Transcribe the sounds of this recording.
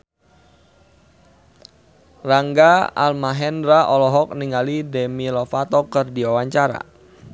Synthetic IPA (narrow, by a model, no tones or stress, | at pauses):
raŋɡaa̰lmaɦɛndɾaʔɔlɔɦɔk̚niŋalidɛmilɔfat̪ɔkərdiwawaɲt͡ʃaɾa̰